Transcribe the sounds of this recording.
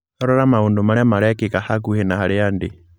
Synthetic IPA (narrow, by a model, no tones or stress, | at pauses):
aɾɔɾamaondomaɾɛmaɾakikahakuhenahaɾɪandi